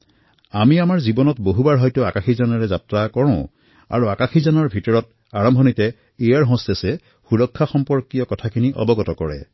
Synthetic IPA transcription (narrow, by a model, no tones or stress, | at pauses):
amiamaɹzibɔnɔtboɦubaɹɦɔjtʊakaxizanaɹɛzatɹakɔɹɔ̃ʊ̃ | a̰ɹuakaxizanɔɹbʱitɔɹɔt | aɹɔmbʱɔnitɛ | ejaɹɦɔ̃stɛsɛ | xuɹɔkʰːaxɔmpɔɹkijɔkɔtʰakʰiniʔɔ̰bɔɡɔtɔkɔɹɛ̰